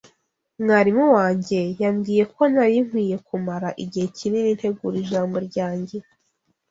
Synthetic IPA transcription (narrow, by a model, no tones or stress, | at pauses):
mŋaɾimuwaːɲɟe̞jamɡiːje̞ko̞naɾiŋ̥wiːje̞kumaɾaʔiɟihe̞cininin̥he̞ɡuɾiʒaːmbo̞ɾɟaːɲɟe̞